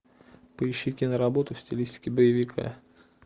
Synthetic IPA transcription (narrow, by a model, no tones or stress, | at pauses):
pəɪɕːɪkʲinəɾɐbo̞t̪ʊfsʲtʲɪlʲisʲtʲɪ̥kʲɪbəjɪvʲɪkʰa̰